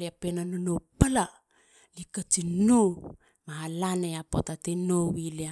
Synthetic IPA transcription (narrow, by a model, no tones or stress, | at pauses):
leapenanonopala | likat͡ʃino | mahalaneapo̰tatenowilea